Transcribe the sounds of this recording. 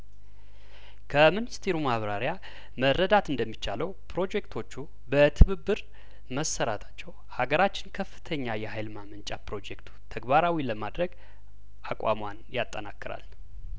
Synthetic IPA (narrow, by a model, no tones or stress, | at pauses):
kʰəmɨnɨst̪ʰeɾumaβɾaɾja | mərːəd̪at̪ɨnd̪əmːit͡ʃːaləwpʰɾo̞d͡ʒekt̪ʰo̞t͡ʃːu | bət̪ʰɨβɨbːɨɾ | məsːəɾat̪ʰḁt͡ʃːɛw | haɡəɾat͡ʃːɪnkʰəfːɨ̥t̪ʰəɲːajɛhajlmamɨnt͡ʃʼapɾo̞d͡ʒekt̪ʰu̥t̪ʰəɡbaɾawiləmad̪ɾəɡ | ʔakʼʷa̰mwanjat̪ʼːəna̰kːɨɾa̰l